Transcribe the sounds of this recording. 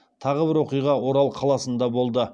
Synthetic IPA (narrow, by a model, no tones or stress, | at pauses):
t̪ʰɑʁəbɪɾwo̞qijʁɑwo̞ɾɑlˠqʰɑlˠɑsənd̪ɑbo̞lˠd̪ə